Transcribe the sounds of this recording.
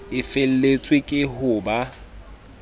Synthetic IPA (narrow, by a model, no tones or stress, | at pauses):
ɪfel̩let͡sʼwekʼɪɦʊːba